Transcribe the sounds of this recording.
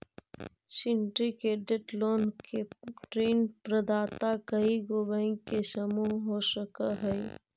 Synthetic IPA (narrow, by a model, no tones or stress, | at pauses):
sɪɳʈɾikeːɖeʈloːnkeʈɾeːnpɾəd̪aːt̪akəiɡoːʋə̃kesəmuɦɦoːʃəkəɦɛi